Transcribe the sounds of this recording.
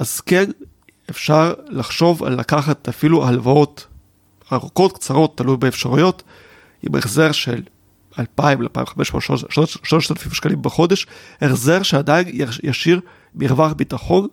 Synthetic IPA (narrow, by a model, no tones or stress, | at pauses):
ʔaz̥ken | efʃaʁlaχʃo̞va̰lːakaχatafilualvao̞t | aʁuko̞t̚kt͡saʁo̞t̪ːalujbeːfʃaʁujo̞t | ḭmḛχzeʁʃel | alpaimalpa̰ḭmχameʃmoʃloʃloʃset̪fifʃkalimbeχo̞d̪eʃheχzeʁʃead̪ainjaʃiʁ | miʁvaχbitaχo̞n